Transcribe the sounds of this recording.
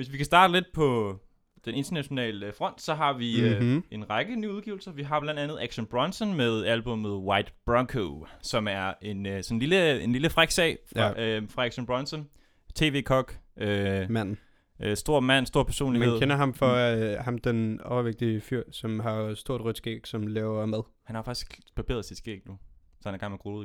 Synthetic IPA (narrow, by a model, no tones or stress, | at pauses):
ʋe̝s̬ʋikʰæsd̥ɑ̈ːd̥əle̝d̥̚pʰɒ̽ | d̥ene̝nd̥ɐnæɕo̝nɛ̰ːlfʁɒ̽n̰d̥sɒ̽ɦɑ̈ʋie̝nʁɑ̈ɡ̥ənyːuðˠɡiːʊl̩sɐʋiɦɑ̈b̥læn̰d̥ænð̞̩ˠæɡ̥ɕɔnb̥ʁɒnsɔnmeðˠælb̥ɔ̽með̩ˠwɑ̈ɪ̰d̥b̥ʁɑŋkʰosɒ̽mæɐe̝nsɒ̽nnliləe̝nliləfʁaɡ̥sɛ̰ɪ | fʁɑ̈æɡ̥ɕɔnb̥ʁɔ̽nsɔn | t͡sʰe̝̰ːʋe̝ːkʰɒ̽ɡ̥ømæn̰n̩ | sd̥o̝ɐ̰mæn̰sd̥o̝ɐ̰pʰæɐso̝̰ːnlimæenðkˠʰenɐɦɑ̈mfɒ̽hɑ̈md̥enɒʊɐʋeɡ̥̚d̥iəfyɐ̰sɒ̽mɦɑ̈sd̥o̝ɐ̰d̥ʁœd̥sɡ̥eɡ̥sɒ̽mlɛːʊɐmæðˠhænhɑfɑ̈ɡ̥isɡ̥b̥ʰɑb̥e̝̰ɐðˠsid̥sɡ̥ḛɡ̥nu | sɒhænæɐɡɑ̈ŋməɡ̥ʁolˠ